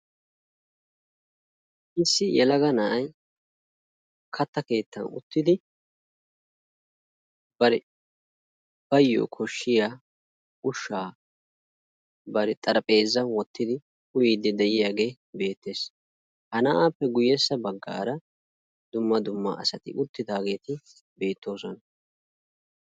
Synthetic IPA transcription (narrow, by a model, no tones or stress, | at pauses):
ɪsːɪjɛlɐɡɐnɐʔɐj | kʰɐt̪ːɐke̞ːt̪ːɐnʊ̰t̪ːɪd̪ɪ | b̥ɐɾɛ | b̥ɐjːo̰kʰɔʃːɪjaː | ʊʃːaː | bɐɾɛt̪ʼɐɾɐpʼe̞ːzːɐnwɔt̪ːɪd̪ɪ | ʊjid̪ɛd̪ɛʔɪjaːɡe̞ː | be̞ːt̪ːe̞ːs | hɐnɐʔaːpːɛɡʊjːɛsːɐbɐɡːa̰ːɾɐ | d̪ʊmːɐd̪ʊmːɐ̰ʔɐ̰sɐt̪ɪ̰ʔʊt̪ːɪd̪aːɡe̞ːt̪ɪ | be̞ːt̪ːo̞ːsɔnɐ